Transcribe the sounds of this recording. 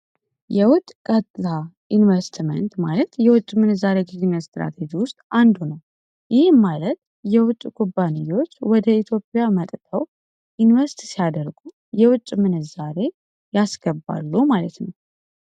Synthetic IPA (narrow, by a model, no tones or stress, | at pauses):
jɛwʊt̪ʼːkʼət̪ʼʰa | invəst̪mə̰nt̪malət̪jɛwʊt͡ʃʼːmɨnɨzːaɾeɡɨzinəst̪ɾa̰t̪ʰed͡ʒiwʊst̪ʼand̪unəw | jɪhemalət̪̚ | jɛwʊt͡ʃʼkʰubːanijo̞t͡ʃːwɔd̪əit̪ʰjo̞pʼːjamət̪ʼt̪ʰəw | ʔinvəst̪ʰisijad̪əɾɡu | jɛwʊt͡ʃʼːmɨnɨzaɾe̞ | jasɡ̥əbːa̰lːumalət̪nəw